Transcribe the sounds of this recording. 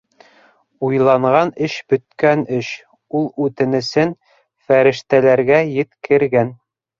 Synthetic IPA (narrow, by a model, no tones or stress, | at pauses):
ujlˠɑɴʁɑnɘʃbɵ̆t̪̚kænɘʃ | ulˠʉt̪ɘ̆nɘ̆sɘn | fæɾɘ̆ʃt̪ælæɾɡæjɘ̆t̪kʰɘ̆ɾɡæn